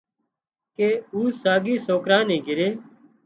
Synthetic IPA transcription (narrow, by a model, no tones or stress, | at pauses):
keːuːsaːɡiːsoːkɾãːnĩːɡɪɾeː